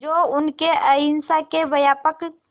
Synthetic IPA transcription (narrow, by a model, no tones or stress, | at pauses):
d͡ʒoːʊnkeəɦɪnsakeʋɐjaːpək